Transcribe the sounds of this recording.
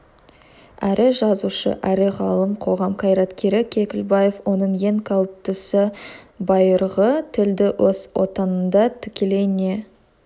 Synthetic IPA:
æɾʔɪʒɑzuʃə̰ʔæɾɪʁɑlˠəmqʰo̞ʁɑmqʰɑjɾɑt̪kʲʰe̞ɾɪkʲʰe̞kʲɪlbɑje̞fwo̞nəɴje̞ŋkʲʰɑwp̚t̪ɪsɪ | bɑjəɾʁət̪ʰɪld̪ɪwoswo̞̰t̪ɑnənd̪ɑt̪ʰɪ̥kʲele̞jne̞

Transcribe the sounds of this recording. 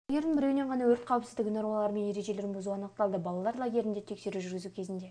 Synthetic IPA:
ɡʲe̞ɾd̪ɪɴbɪɾe̞wɪneɴʁʰɑnɑwɵɾt̪qʰɑwɪpsɪzd̪ɪkʲnoɾolˠɑɾəme̞nje̞ɾe̞ʒe̞le̞ɾɪnbʊzuɑnəq̚t̪ɑlˠd̪əbɑlˠɑlˠɑɾlˠaɡʲe̞ɾɪnd̪et̪ʰe̞kse̞ɾuʒʏɾɡʲɪzukʲʰe̞zɪnd̪e̞

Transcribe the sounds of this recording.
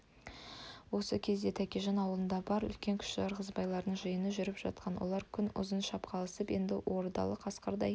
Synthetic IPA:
wo̞səkʲʰe̞zd̪e̞t̪ʰækʲeʒɑnɑwəlˠənd̪ɑbɑɾʏ̰lkʲe̞ŋkʲʰʏ̥ʃʒɑɾʁəzbɑjlˠɑɾd̪əɴʒəjənəʒʏɾɪpʒ̥ɑ̰t̪̚qʰɑnwolˠɑɾkʲʰʏnʊ̰zənʃɑpqʰɑlˠəsəpje̞nd̪ɪʔwʔo̞ɾd̪ɑ̰lˠəqʰɑsqɑɾd̪ɑ̰j

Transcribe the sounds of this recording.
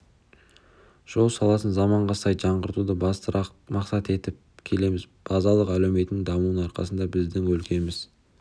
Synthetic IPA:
ʒ̥o̞lˠsɑlˠɑsənzɑmɑɴʁɑsɑjʒɑɴʁəɾt̪ud̪əbɑst̪əɑ | mɑqsɑt̪e̞t̪ɪp̚kʲʰe̞le̞mɪz | b̥ɑzɑlˠəqælewme̞t̪nɪŋd̪ɑmuwnəɑɾqɑ̰sənd̪ɑbɪzd̪ɪŋwɵlkʲʰe̞mɪz

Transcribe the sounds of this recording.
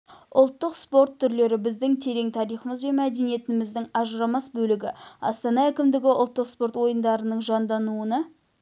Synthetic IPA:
ʊlˠt̪ːəqspo̞rt̪ʰːʏɾle̞ɾɪbɪzd̪ɪŋt̪ʰe̞ɾe̞ŋt̪ʰɑɾijχəməzbe̞nmæd̪e̞nije̞t̪ɪmɪzd̪ɪŋɑʒəɾɑmɑsbɵlɪɡʲɪɑ̰st̪ɑnɑækʲɪmd̪ɪɡʲɪʊ̰lˠt̪ːəqspo̞ɾt̪wo̞jənd̪ɑɾənəɴʒɑnd̪ɑnuənɑ

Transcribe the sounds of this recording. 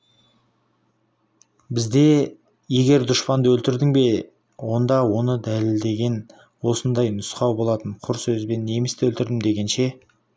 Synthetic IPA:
bɪzd̪e̞ | je̞ɡʲe̞ɾd̪ʊʃpɑnd̪əwɵlt̪ɪɾd̪ɪŋbe̞ | wo̞nd̪ɑwo̞nəd̪æleld̪e̞ɡʲe̞n | wo̞sənd̪ɑjnʊsqɑwbo̞lˠɑt̪əɴqʰʊɾsɵzbe̞nːe̞mɪst̪ɪwɵlt̪ɪɾd̪ɪmd̪e̞ɡʲe̞nʃe̞

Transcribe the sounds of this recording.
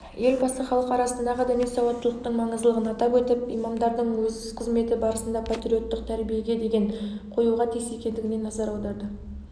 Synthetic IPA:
je̞lbɑsəχɑlˠəqɑɾɑsənd̪ɑʁəd̪æmesɑwɑt̪ːəlˠəq̚t̪əɴmɑɴəzəlˠəʁənɑt̪ɑpwet̪ɪpijmɑmd̪ɑɾd̪əɴwɵzɪzqʰəzme̞t̪ɪbɑɾəsənd̪ɑpʰat̪ɾʲio̞t̪ːəqt̪ʰæɾbije̞ɡʲe̞d̪e̞ɡʲe̞ɴqʰo̞juʁɑt̪ʰise̞kʲe̞nd̪ɪɡʲɪne̞nɑzɑɾɑwd̪ɑɾd̪ə

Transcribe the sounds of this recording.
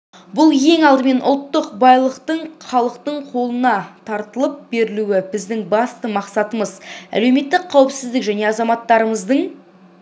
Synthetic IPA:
bʊlˠje̞ŋɑlˠd̪əme̞nʔʊ̰lˠt̪ːəqbɑjlˠəqt̪əɴχɑlˠəqt̪əɴqʰo̞lˠənɑt̪ʰɑɾt̪əlˠəp̚be̞ɾɪluwɪbɪzd̪ɪŋbɑst̪əmɑqsɑt̪əməzæ̰le̞wme̞t̪ːɪk̚qʰːɑwɪpsɪzd̪ɪkʒæne̞ɑzɑmɑt̪ːɑɾəməzd̪əɴ

